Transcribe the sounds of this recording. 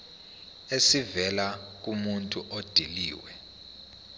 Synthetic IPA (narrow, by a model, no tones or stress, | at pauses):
esivɛlak̬ʼumuntʼuʔod̥ʱilḭːwɛ